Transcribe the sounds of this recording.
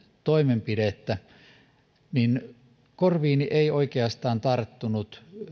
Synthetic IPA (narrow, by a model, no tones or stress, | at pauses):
t̪oimempiɾet̪ːæ | nin | korʋiːniʔeioikeɑst̪ɑːnt̪ɑrt̪ːunut̪